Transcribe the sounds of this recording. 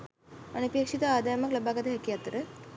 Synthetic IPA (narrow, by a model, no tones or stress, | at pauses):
ɐnupjeːkʂit̪ɐaːd̪ɐjɐmɐklɐbaːɡɐt̪ɐɦɐkijat̪ɾə